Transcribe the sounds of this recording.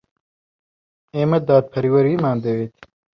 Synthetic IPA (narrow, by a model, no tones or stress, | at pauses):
emɐd̪aːd̪̚pʰɐɾiwɐɾimaːnd̪ewet̪ʰi̥